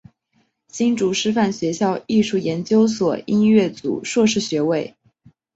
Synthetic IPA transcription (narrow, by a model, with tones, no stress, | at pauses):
t͡ɕi˥ŋʈ͡ʂu˧˥ʂɻ̩˥fa˥˩nɕɥɛ˧˥ɕjɑ˥˧ʊi˥˧ʂu˥˩jɛ˧˥nt͡ɕjo˥ʊswɔ˨˩i˥nɥɛ˥˩t͡sṵ˨˩˦ʂwɔ˥˧ʂɻ̩˥˩ɕɥɛ˧˥we˥˩ɪ